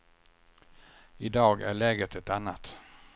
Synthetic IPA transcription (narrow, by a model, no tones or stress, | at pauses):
ɪd̪ɑːɡæ̰ɭɛːɡət̪ʰɛt̪anːat̪